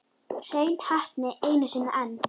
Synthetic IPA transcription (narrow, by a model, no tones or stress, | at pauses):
r̥eːjnhahpnɪeːjnasɪːnːaʔɛnː